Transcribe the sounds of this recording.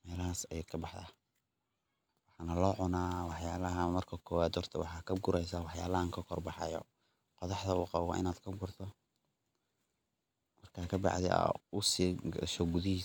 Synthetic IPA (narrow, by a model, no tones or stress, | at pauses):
mɛːlɐɦaːsɛjkʰɐbɑħða̰ | wɑħɑːnɐlɔːʕʊnaːwɑħjaːlɐɦɐmɐrkʰɐkʰɔːwaːd̪hɔrt̪ʰɐwɑ̰ħɑːkʰɐɡʊɾɛjsawɑħjaːlɐhaŋkʰɐkʰɔrbɑħɑ̰jɔ̰ | qɔðɑħd̪ɐʊːqɑβwɑ̰ːʔɪnaːd̪kʰɐɡʊrt̪ʰɔ | mɐrkʰaːkʰɐbɑ̰ʕðɛ̰a̰ʊsiːʃɔɡʊðiː